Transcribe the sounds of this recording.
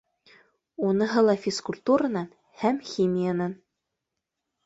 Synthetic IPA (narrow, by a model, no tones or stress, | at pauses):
unɤɦɤlˠɑfʲiskulʲt̪uɾanɤn | hæmxʲimʲijanɤn